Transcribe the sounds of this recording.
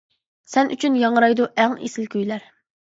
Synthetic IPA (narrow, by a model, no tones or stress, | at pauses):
sɛnʔy̰t͡ʃʰynjɑŋɾɑjd̪uʔæŋḛsɪlkʲyjlæɾ